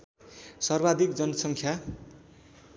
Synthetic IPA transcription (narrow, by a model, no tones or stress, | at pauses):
sʌrbad̪ikd͡zʌnʌsʌŋkʰja